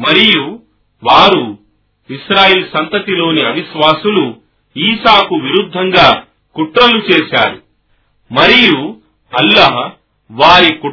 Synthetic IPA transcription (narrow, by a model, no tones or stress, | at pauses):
mɐɾiju | ʋaːɾu | iʃɾaːjeːlsɐnt̪ɐt̪ilo̞ːniɐʋiʃʋaːsulu | iːʃaːkuʋiɾud̪ʱːɐŋɡaː | kuʈɾɐlut͡ʃeːʃaːɾu | mɐɾiju | ɐlːɐɦ | ʋaːɾiku